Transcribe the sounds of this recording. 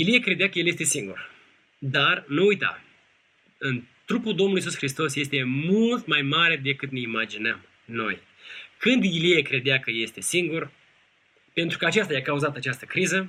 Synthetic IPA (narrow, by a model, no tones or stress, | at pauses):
iliekɾe̞d̪eakəjeljest̪e̞siŋɡṵr | d̪arnuujt̪a̰ | ɨnt̪ɾupuld̪omnluis̬usxɾist̪o̞sje̞st̪e̞mult̪majmaɾe̞d̪e̞kɨt̪ne̞imad͡ʒinəm | no̞̰j | kɨnd̪iliekɾe̞d̪eakəje̞st̪e̞siŋɡur | pe̞nt̪ɾukəat͡ʃast̪ajakauzat̪əat͡ʃast̪əkɾizə